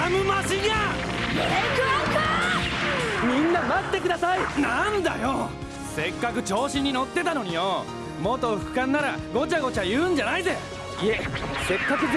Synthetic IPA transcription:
amɯ̟maɕiɡa | k | mʲĩnːamat̪ːe̞kɯ̟d̪asainãnd̪a̰jo | se̞kːakɯ̟t͡ɕo̞ːɕiɲ̟ːino̞t̪ːe̞t̪ano̞ɲ̟ijo | mot̪oɸɯ̟̥kãnːaɾaɡo̞t͡ɕaɡo̞t͡ɕajɯ̟̃ːɲ̟d͡ʑanaize | iese̞kːakɯ̟

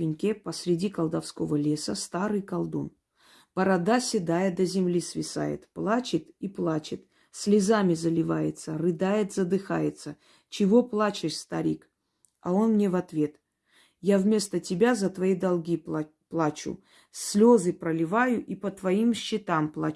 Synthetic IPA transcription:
ɪnʲkʲepəsʲɾʲɪdʲikəlˠd̪ɐfsko̞vəlʲe̞sə̰st̪aɾɨjkɐlˠd̪o̰m | pəɾad̪asʲɪd̪ajɪd̪əzʲɪmlʲisvʲɪsa̰jɪ̰t̪plˠat͡ɕɪt̪iplˠat͡ɕɪt̪ | sʲlʲɪzamʲɪzəlʲɪvajɪ̰t̪sərɨd̪ajɪt̪zəd̪ɨxa̰jɪt̪sə | t͡ɕɪvo̞plˠat͡ɕɪʂst̪ɐɾʲik | ɐ̰o̞nmnʲevɐt̪vʲe̞t̪ | javmʲe̞st̪ətʲɪbʲazət̪vɐid̪ɐlˠɡʲi | plˠat͡ɕʊ̰ | sʲlʲo̞zɨpɾəlʲɪvajʊʔipət̪vɐimɕːɪt̪amplˠa̰

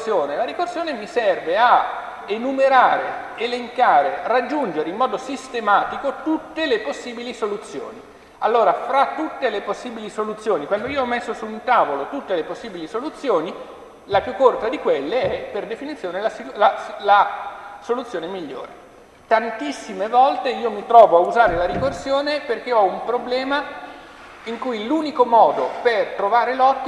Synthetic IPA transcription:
sjoːnelaɾikorsjoːnemisɛrvea | enumeɾaːɾeeleŋkaːɾerad͡ʒːund͡ʒeɾeimːɔːd̪osist̪emaːt̪ikot̪ut̪ːeleposːiːbilisolut̪sːjo̰ːni | alːoːɾafɾat̪ːut̪ːeleposːiːbilisolut̪sːjoːnikwand̪oiːoɔmːesːosunt̪aːvolot̪ut̪ːeleposːiːbilisolut̪sːjoːni | lapjukːort̪ad̪ikwelːeɛperd̪efinit̪sːjoːnelaslalasolut̪sjoːnemiʎːo̰ːɾe | t̪ant̪isːimevɔlt̪eiːomit̪ɾɔːvoauzaːɾelaɾikorsjoːneperk̟eɔumpɾoblɛːma | iŋkujluːnikomɔːd̪opert̪ɾovaːɾelɔt̪ː

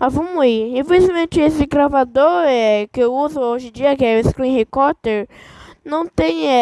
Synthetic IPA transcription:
avɐ̃mʊiĩfezizmẽt͡ʃɪesɪɡɾavad̪oɾɛkɪewuzʊoʒɪ̃d͡ʒiɐkɪɛɪskɾĩhikɔɾt̪eɾnɐ̃w̃t̪ẽj̃ɛ

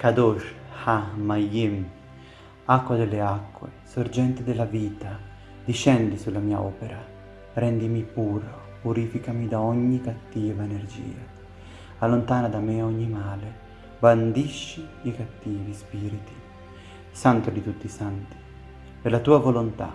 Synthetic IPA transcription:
kad̪ɔʃhamajim | akːwad̪elːeakːwḛsoɾd͡ʒɛnt̪ɪd̪elaviːt̪a | d̪iʃɛnd̪isulːamiːa̰ɔ̰ːpeɾa | rɛnd̪imipuːɾa | puɾifikamid̪aɔɲːikat̪ːiːvaeneɾd͡ʒḭːa | alːont̪aːnad̪ameaɔɲːimaːle | band̪iʃːiːkat̪ːiːvispiːɾit̪i̥ | sant̪od̪it̪ut̪ːisant̪i̥ | d̪elat̪uːavolont̪a̰

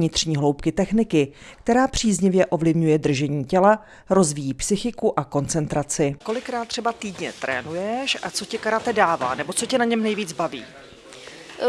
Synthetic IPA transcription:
ɲɪt̪r̥ɲiːɦlo̞wpkɪt̪ɛxnɪkɪk̚t̪ɛɾaːpr̝̥iːzɲɪvjɛʔo̞vlɪvɲujɛd̪r̩ʒɛɲiːcɛla | ɾo̞zviːjiːpsɪxɪkuʔako̞nt͡sɛnt̪ɾat͡sɪko̞lɪkɾaːt̪̚ːr̥ɛbat̪iːdɲɛ̰t̪ɾɛ̰ːnujɛʃʔat͡so̞cɪkaɾat̪ɛdaːva̰ːnɛbo̞t͡socɛnaɲɛmnɛjviːd͡zbavḭː

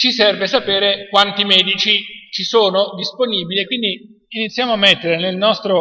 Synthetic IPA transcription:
t͡ʃisɛrvesapeːɾekwant̪imɛːd̪it͡ʃit͡ʃisoːnod̪isponiːbiliekwind̪iː | nit̪sːjaːmoamːet̪ːeɾenelnɔst̪ɾo

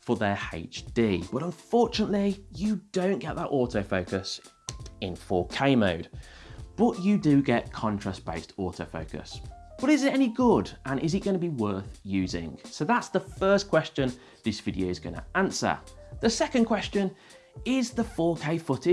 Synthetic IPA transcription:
fəðəḛɪt͡ʃd̥iːb̥ʌɾə̃ɱfɔˑt͡ʃənəʔlijədõʊ̃nɡ̥ɛʔðəʔɔˑtʰəʊfəʊkəs | ɪ̃nfɔːkʰeɪmoʊd̥̚b̥ʌt͡ʃədəɡɛʔ̚kʰɒ̃nt͡ʃʰɹ̥asb̥eɪstɔˑtʰəʊfəʊkə̰sb̥ʌɾɪzɪtɛniɡʊdʔə̃nʔɪzɪt̚ɡ̥ʌnəbiwɜˑθjʉːzɪ̰̃ŋsoʊðatsðəfɜˑskʰw̥ɛst͡ʃə̃n | ðɪsv̥ɪdiəʊɪzɡʌnə̰ãnsə̰ðəsɛkə̃nkʰw̥ɛst͡ʃə̃n | ɪzðəfɔːkʰeɪfʊtɪ̥

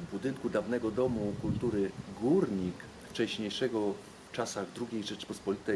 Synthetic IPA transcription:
vbud̪ɘŋkud̪avn̪ɛɡɔd̪ɔmukult̪uɾɘɡuɾɲik | ft͡ʂɛɕɲejʂɛɡɔ | t͡ʂasaɣd̪ɾuɡʲejʐɛt͡ʂpɔspɔlʲit̪ɛ

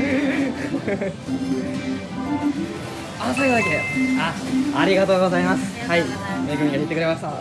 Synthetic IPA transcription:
asoikod̪ekid̪eaaɾʲiɡat̪o̞ːɡo̞zaimasɨ̥haimeikɯmʲiɡaɦit̪ːekɯɾe̞maɕt̪a

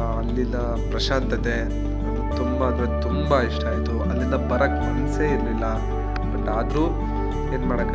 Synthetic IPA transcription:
ɐlːilːɐ | pɾɐʃaːnt̪ɐt̪e̞ | t̪umbaːd̪ɐɾet̪umbɐiʂʈaːjit̪uɐlːind̪ɐbɐɾɐkmɐnseiɾlilːɐ | b̥ɐʈːaːd̪ɾuː | e̞ːnmaːɽɐkːɐ

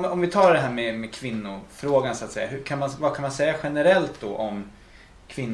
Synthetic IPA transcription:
mɔmvɪt̪ʰɑːɖ̪ɛɦæːɾmɛmɛkʰvɪnːʊfɾoːɡansat̪sɛjːa̰ɦɵkʰanmanvakʰanmansɛjːaɧɛnɛɾɛlt̪̚d̪ɔ̰ʔɔm | kʰvɪnː

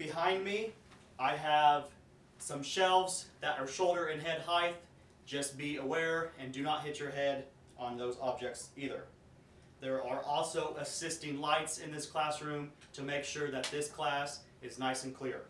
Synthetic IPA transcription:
b̥ɨɦãɪ̃nmi | aɪəv̥ | sʌ̃mʃɛlˠvzðɨɾə˞ʃoʊlˠdə˞ɨ̃nɦɛd̚haɪθ | d̥ʒ̥ʌst̚b̥iəwɛɹɨ̃ndɨnət̚ɦɪt͡ʃə˞ɦɛɾ | n̩ðoʊzɑb̚d͡ʒɛk̚tsiðə̰˞ | ðə˞ʔə˞ʔɔlˠsoʊʔəsɪstɪ̃ŋlaɪtsɨ̃nðɪskʰl̥æsɹʉ̃m | tʰɨmeɪkʃʊɹðɨt̪̚ðɪskʰl̥æs | ɨznaɪsɨ̃n̩kʰl̥ɪɹ

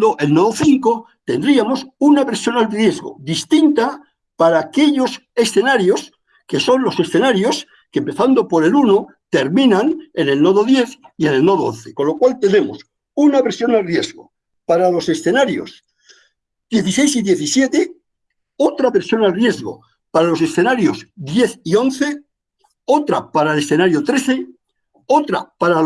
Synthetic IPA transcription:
d̪oʔe̞lnoðoθiŋko̞ | t̪e̞nd̪ɾiamo̞sunaβeɾsjo̞nalrje̞zɣo̰ðist̪int̪a | paɾaːke̞ʎo̞se̞sθe̞naɾjo̞s | ke̞so̞nlo̞se̞sθe̞naɾjo̞s | kempe̞θand̪o̞po̞ɾe̞luno | t̪e̞ɾmĩnanene̞lno̞ðoðje̞θie̞ne̞lnoðoõ̰nθeko̞nlo̞kwalt̪e̞ne̞mo̰s | unaβe̞ɾsjo̞nalrje̞zɣo̞̰ | paɾalo̞se̞sθe̞naɾjo̞̰s | d̪je̞θise̞jsiðje̞θisje̞t̪e | o̞t̪ɾaβe̞ɾsjo̞nalrje̞zɣo̞̰ | paɾalo̞se̞sθe̞naɾjo̞zðje̞θio̞nθe̞ | o̞t̪ɾa̰paɾaele̞sθe̞naɾjot̪ɾe̞θe̞ | ot̪ɾa̰paɾa

